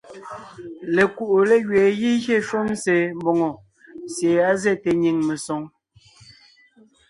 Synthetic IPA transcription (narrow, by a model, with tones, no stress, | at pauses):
le˨ku˦˨ʔo˨le˦ɣɥeː˨ɣi˦ɣe˦ʃo˦mse˨m˦bo˨ŋɔ˨ | sje˨a˦ze˦˨te˨ɲi˨ŋme˨sɔ˨˦ŋ